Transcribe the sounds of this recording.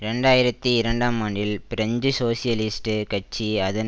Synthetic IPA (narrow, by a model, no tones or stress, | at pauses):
ɾɛɳɖaːjɪɾɐt̪ːiɪɾɐɳɖaːmaːɳɖɪlpɪɾɐɲd͡ʒɯsoːsɪjɐlɪsʈɯkɐt͡ʃːiɐðɐn